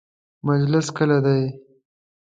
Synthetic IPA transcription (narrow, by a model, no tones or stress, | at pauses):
mad͡ʒlɪskəlad̪aj